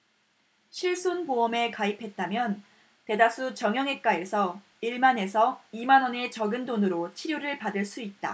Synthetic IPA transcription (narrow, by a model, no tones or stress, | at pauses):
ɕʰiɭs͈onpoʌme̞kaipʰe̞t̚t͈amjʌn | te̞das͈ʰut͡ɕʌŋjʌŋe̞k͈ae̞sʰʌ | iɭmane̞sʰʌimanɦʌne̞t͡ɕʌɡɯndonɯɾot͡ɕʰiɾjoɾɯɭpadɯɭs͈uit̚t͈a̰